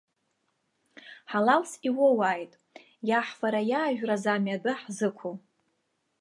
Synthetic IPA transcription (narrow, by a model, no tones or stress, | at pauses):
ħalalsiwowajtʼ | jaħfaɾajaːʒᶣrazamadɨħzɨkʷʰo